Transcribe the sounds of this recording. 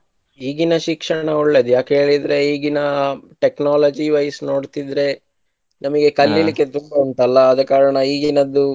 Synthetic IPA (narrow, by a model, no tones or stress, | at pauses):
iːɡinɐʃikʂɐɳɐuɭːe̞ːd̪ujaːkɦe̞ːɭid̪ɾe̞iːɡinɐʈeknaːlɐd͡ʒiʋɐjɐsno̞ːɖt̪id̪ɾe̞ | nɐmɐɡe̞kɐlːilikːe̞t̪umbɐuɳt̪ɐlːɐːd̪ɐkːaːɾɐɳɐiːɡinɐd̪ːu